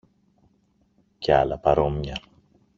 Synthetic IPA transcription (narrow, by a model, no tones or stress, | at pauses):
ceɐ̰lɐpɐɾo̞mɲɐ